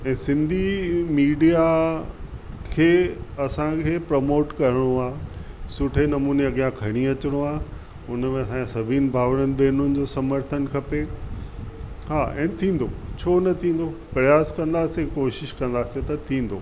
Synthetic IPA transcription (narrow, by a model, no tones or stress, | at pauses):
ɛ̃ːsɪ̃nd̪ʱimiːɖija | kʰeːɐsãkʰeːpɾɐmoːʈkɐɾɪɽ̃oaːɦsʊʈʰenɐmuːneɐɠijãkʰɐɽ̃iɐt͡ɕɪɽ̃oaːɦ | ʊnəmẽɐsãeɐsɐbʱin̆bʱaːʋɽ̃ənɪ̆beːnʊnɪ̆d͡ʑoːsɐməɾt̪ʰənkʰɐpe | ɦaːʔɛ̰̃ːt̪ʰĩːn̆d̪ot͡ɕʰoːnɐt̪ʰĩːn̆d̪opɾɐjaːskɐ̃nd̪aːsekoːʃɪʃkɐ̃nd̪aːset̪ɐt̪ʰĩːn̆d̪oː